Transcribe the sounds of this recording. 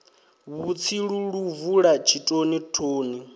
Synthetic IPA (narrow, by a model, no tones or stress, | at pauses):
βut͡sʰiɺuɺuvuɺat͡ʃʰitʼonitʰoːni